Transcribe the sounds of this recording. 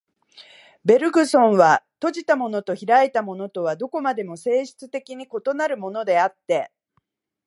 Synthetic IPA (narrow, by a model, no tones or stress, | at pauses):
be̞ɾɯ̟ɡɯ̟sõ̞ɰ̃βat̪o̞ʑit̪amo̞no̞t̪o̞çiɾaet̪amo̞no̞t̪o̞β̞ad̪o̞ko̞mad̪e̞mo̞se̞ːɕɨ̥t͡sɨ̥t̪e̞kʲiɲ̟iko̞t̪o̞naɾɯ̟mo̞no̞d̪e̞at̪ːe̞